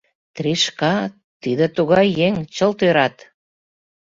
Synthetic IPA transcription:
t̪ɾiʃkɑ | t̪id̪ĕt̪uɣɑjːeŋt͡ɕəlt̪øɾɑt̪

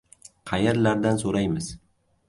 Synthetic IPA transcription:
qʰɑjeɾlaɾd̪ansoɾajmɪz

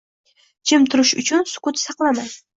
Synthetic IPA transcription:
d͡ʒʰɪmt̪ʰʊɾɪʃʊ̰t͡ʃʰʊnsʊ̥kʊt̪sɑqlˠamaj̪

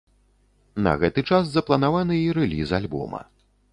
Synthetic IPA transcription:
nɐ̰ɣɛt̪ɨt͡ʂaszɐplˠɐnavanɨiɾɛlʲizalʲbɔ̰mɐ̰

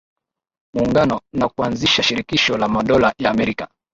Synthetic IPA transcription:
muːŋɡanɔnakuanziʃaʃiɾikiʃɔlamaɗɔlajaːmɛɾika

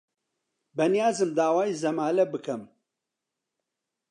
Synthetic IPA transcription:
bɛnijaːzɨmd̪aːwaːjizɐmaːlɐbɨkʰɐm

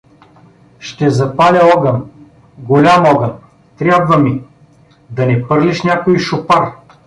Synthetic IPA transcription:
ʃt̪ɛzɐpalʲɐɔɡən | ɡolʲamɔɡən | t̪ɾʲabvəmi | d̪ɐnɛpɤɾlʲiʃnʲakoiʃʊpar

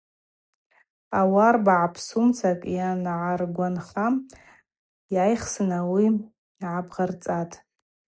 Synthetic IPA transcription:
awarbaʕapʰsumt͡sʰakʼjanʕarɡʷanχa | jajχsɨnawi | ʕabʁart͡sʼatʼ

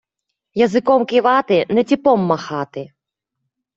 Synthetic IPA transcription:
jɐzɨkɔmkʲiʋat̪ɪnɛtʲipɔmːɐxat̪ɪ

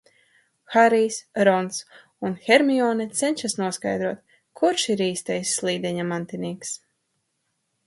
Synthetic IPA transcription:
xaɾijsɾɔns | unxɛɾmiɔːnɛt̪sɛnʲʃasnuɔskajd̪ɾuɔt̪̚ | kʰuɾʃiɾiːst̪ɛjsːlˠiːd̪ʲɛɲamant̪iniːks

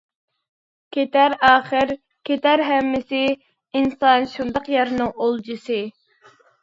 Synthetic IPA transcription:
kʲʰet̪æɾɑːχəɾ | kʲʰet̪æɾɦɛmːɪsɪ | insɑnʃund̪ɑqjɑɾnɨŋolˠd͡ʒɨsɨ

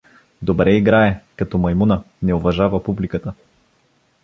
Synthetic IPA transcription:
d̪obɾɛiɡɾaɛkɐt̪ɔmɐjmunə | nɛʊvɐʒavəpublikət̪ə

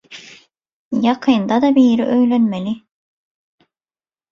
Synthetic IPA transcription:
jɑqʰɯnd̪ɑd̪ɑbiːɾiʔøjlønmeli

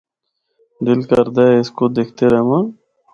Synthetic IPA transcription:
d̪ɪlkəɾd̪aeɪskod̪eːkʰt̪eɾɐɦmã

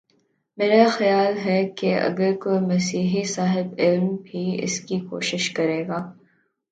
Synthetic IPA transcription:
meːɾaxɐjaːlɦɛkeɐ̰ɡəɾkoemɐsiːɦisaːɦɪbɪlmbʱiɪ̰skiko̰ːʃɪʃkɐɾeːɡaː

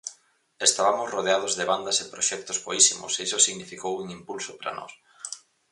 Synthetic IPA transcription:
est̪aβamʊsroðeað̞ozðeβand̪ɐsepɾoʃɛk̚t̪ozβoisimʊ̰seisosiɣnifikowuŋimpulsopɾɐ̰nɔ̰s

